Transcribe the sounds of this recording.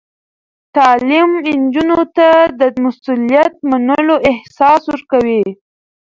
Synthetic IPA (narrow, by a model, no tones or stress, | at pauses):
t̪ɑlimnd͡ʒunot̪ad̪əmasulijat̪̚manəloʔɪhsɑswəɾkawi